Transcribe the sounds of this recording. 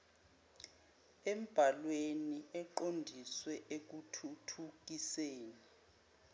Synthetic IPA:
em̩b̥ʱalweniɛǃondʱiswɛʔek̬utʰutʰuk̬iseːni

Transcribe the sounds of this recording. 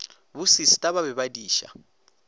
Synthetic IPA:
βusisi̥tʼaβaβɛβadiːʃa̰

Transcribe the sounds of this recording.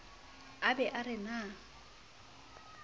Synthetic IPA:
abɛʔarɪna

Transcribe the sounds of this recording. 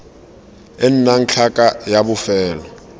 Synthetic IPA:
ɪn̩naŋ̩t͡ɬʰakʼajabʊfɛːlɔ

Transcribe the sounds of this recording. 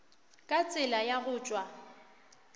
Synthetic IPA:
kʼat͡sʼɪlajaɣʊːt͡ʃʼwa

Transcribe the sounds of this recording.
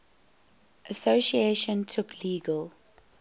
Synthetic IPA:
ʔəsoʃieʃə̃ntʰʊkʰliːɡəlˠ

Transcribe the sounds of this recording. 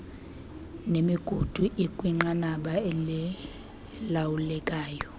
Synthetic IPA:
nemiɡ̥ʱud̥ʱuʔikʼwiŋ͡ǃanaɓaɛlɛ | lawulɛkʼaːjɔ

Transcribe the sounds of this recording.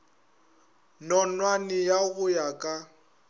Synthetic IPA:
nɔnwanɪjaɣʊjakʼa

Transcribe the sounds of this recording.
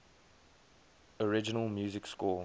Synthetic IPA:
əɹɪd͡ʒənəlˠmjuːzɪkskɔː

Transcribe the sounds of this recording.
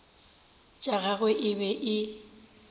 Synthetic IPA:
t͡ʃʼaɣaɣeʔɪbɛʔɪ

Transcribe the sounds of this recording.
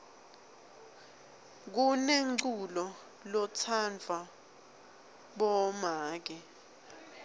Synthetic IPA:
k̬uneŋǀulɔ | lɔt͡sʰand͡vʱa | ɓɔmaːk̬ɛ

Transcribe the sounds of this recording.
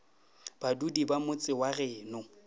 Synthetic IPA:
b̥adudibamʊt͡sʼɪwarɛːnʊ

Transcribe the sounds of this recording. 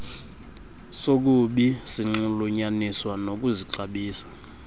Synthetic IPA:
sok̬uɓisiŋ͡ǁuluɲaniswanok̬ʼuziǁaɓiːsḁ

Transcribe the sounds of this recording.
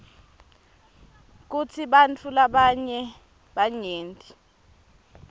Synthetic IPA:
k̬ut͡sʰiɓant͡fʰulaɓaɲɛ | ɓaɲeːntʼi

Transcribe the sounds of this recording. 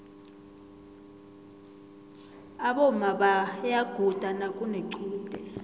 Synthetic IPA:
aɓɔmaɓajaɡ̥ʱud̥ʱanakʼuneǀuːd̥ʱɛ

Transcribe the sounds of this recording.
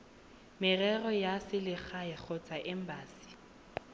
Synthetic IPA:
mɪrɛrɔjasɪlɪχaɪk͡xʰɔt͡sʼaʔɪm̩baːsi̥

